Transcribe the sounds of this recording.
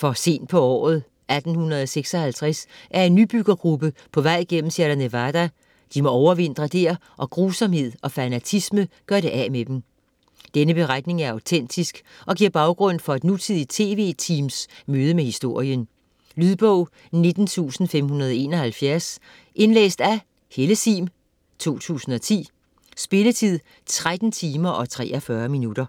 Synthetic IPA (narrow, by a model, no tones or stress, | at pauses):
fɒ̽se̝̰ːnd̥̚pʰɒ̽ɒ̰ːð̞̩ˠ | ʔæd̥n̩hunɐð̞̩ˠɒseɡ̥sɒ̽hælt͡sʰʁasʔæɐe̝nːyb̥yɡ̥ɐɡ̥ʁub̥əpʰɒ̽ʋɑ̈ɪ̰ɡ̥en̰m̩sæɐɾ̥ɐnəʋɑd̥æ | d̥imɒ̽ɒʊɐʋe̝n̰d̥ʁɐd̥eɐ̰ | ʔɒ̽ɡ̥ʁuːsɒ̽mhe̝ð̰ˠɒ̽fænæt͡sʰisməɡ̥ɶɐ̰ɾ̥e̝ʔæmed̥em | d̥enəb̥e̝ʁad̥ne̝ŋæɐɑ̈ʊt͡sʰen̰d̥isɡ̥ʔɒ̽ɡ̥iɐ̰b̥ɑ̈ʊɡ̥ʁɔ̽n̰fɒ̽e̝d̥nut͡sʰið̞̰ˠi̥t͡sʰe̝̰ːʋe̝̰t͡sʰiːmsmøːð̞ˠəmehisd̥o̝ɐ̰iən | lyðˠb̥ɔʊ̰ | ne̝d̥n̩t͡sʰṵːsn̩fem̰hunɐð̞ˠɒe̝̰ːnɒ̽hælfjæɐs | ʔe̝nlḛːsd̥æ | heləsḭːm | t͡sʰo̝̰ːt͡sʰṵːsn̩ɒ̽t͡sʰḭː | sb̥e̝lət͡sʰið̞̰ˠ | t͡sʰʁad̥n̩t͡sʰiːmɐʔɒ̽t͡sʰʁɛ̰ːɒfɶɐminud̥ɐ